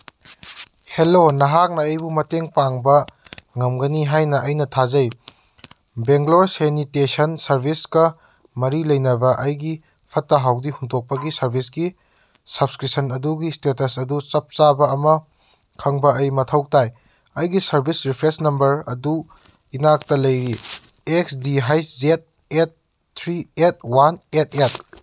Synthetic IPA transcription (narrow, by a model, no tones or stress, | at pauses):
helonɐɦak̚nɐɐjbumɐteŋpaŋbɐŋɐmɡɐniɦajnɐʔɐjnɐtʰazɐj | beŋɡloɾsenitesɐnsɐɾbʱiskɐ | mɐɾilɐjnɐbɐʔɐjɡi | pʰɐtːɐɦawdihuntʰok̚pɐɡisɐɾbʱisɡi | sɐbskɾisɐnɐduɡistetɐsɐdut͡ʃɐp̚t͡ʃabɐːmɐ | kʰɐŋbɐɐjmɐtʰɐwk̚taj | ɐjɡisɐɾbʱisɾipʰɾesnɐmbɐɾɐdu | inak̚tɐlɐjɾi | eksdiɦajszet̚ | et̚ːʰ | ɾiet̚wanet̚ʰet̚